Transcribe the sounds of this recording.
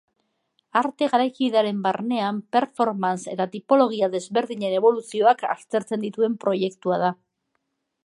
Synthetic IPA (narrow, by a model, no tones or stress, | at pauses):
aɾt̪e̞ɣaɾajkiðaɾe̞mbaɾne̞ampe̞ɾfo̞ɾmanse̞t̪at̪ipo̞lo̞ɣ̞iaðe̞zβe̞ɾðiɲe̞ne̞β̞o̞lusio̞aka̰st̪e̞ɾt͡se̞nd̪it̪ue̞mpɾo̞je̞kt̪uað̞a